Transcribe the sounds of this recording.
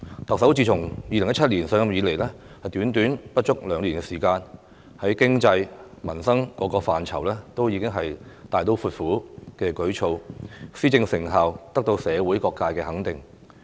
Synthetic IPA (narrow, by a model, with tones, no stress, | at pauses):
t̪ɐ˨ksɐ˨˥wt͡siː˧t͡sʰʊ˨˩ŋjiː˧lɪ˨ŋjɐ˥t͡ʃʰɐ˥t̚liː˨˩nsœː˨˧jɐ˧mjiː˨˧le˨˩jlɛː˥ | hɐ˨jt̪yː˨˥nt̪yː˨˥npɐ˥t̚t͡ʃʊ˥k̚lœː˨˧ŋliː˨˩nkɛː˧siː˨˩kaː˧n | hɐ˨˥jkɪ˥ŋt͡sɐ˧j | mɐ˨˩nsɐ˥ŋkɔː˨˥kɔː˧faː˨˩nt͡sʰɐ˨˩wlɛː˥t̪o˥wjiː˨˧kɪ˥ŋɦɐ˨jt̪aː˨˧jt̪o˧wfuː˧t̚fuː˨˥kɛː˧kɵ˨˥ɥt͡ʃʰo˧wsiː˥t͡sɪ˧ŋsɪ˨˩ŋɦaː˨wt̪ɐ˥k̚t̪o˧wsɛː˨˧wuː˨˥jkɔː˧kːaː˧jkɛː˧ɦɐ˨˥ŋt̪ɪ˨˩ŋ